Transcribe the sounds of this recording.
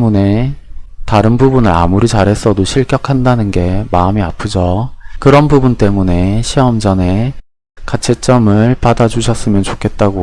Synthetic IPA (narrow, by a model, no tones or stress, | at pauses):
mune̞ | taɾɯnbubunɯɾa̰muɾit͡ɕaɾɦe̞s͈ʰʌdoɕʰiɭk͈jʌkʰandanɯnɡe̞maɯmiapʰɯd͡ʑʌkɯɾʌnbubunt͈e̞mune̞ɕʰiʌmd͡ʑʌne̞ | kat͡ɕʰet͡ɕ͈ʌmɯɭpadad͡ʑuɕʰʌs͈ɯmjʌnt͡ɕokʰe̞t̚t͈aɡo